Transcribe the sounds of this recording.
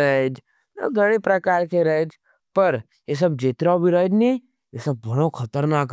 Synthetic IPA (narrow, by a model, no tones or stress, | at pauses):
ɐɦed͡ʒ | nɐ̰ɡʱɐɽ̃epɾɐkaːɾkeɾɐɦed͡ʒ | pɐɾ | jes̬ɐbd͡ʒeːt̪ɾaːobʱiɾɐɦed͡ʒnẽ | jesɐb̚ːɐɽ̃okʰɐt̪əɾnaːk